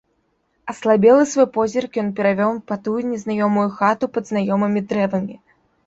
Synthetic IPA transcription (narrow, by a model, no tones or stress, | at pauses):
ɐslˠabʲɛlˠɨsvɔjpɔzʲɛrkjɔnpʲɛɾavʲɔwpat̪ujnʲɛznajɔmujuxat̪upɐd̪znajɔmɐmʲid̪ɾɛvɐmʲi